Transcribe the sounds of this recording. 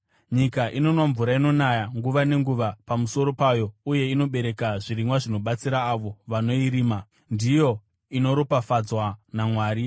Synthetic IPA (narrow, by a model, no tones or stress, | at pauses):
ɲikaʔino̞nwaɱvuɾaino̞najaŋɡuʋane̞ŋɡuʋapamuso̞ɾo̞pajo̞uje̞ino̞ɓe̞ɾe̞kaʐiɾimwaʐino̞ɓat͡siɾaːʋo̞ʋano̞iɾiːma | ndijo̞ | ino̞ɾopafad͡zwanamwaːɾi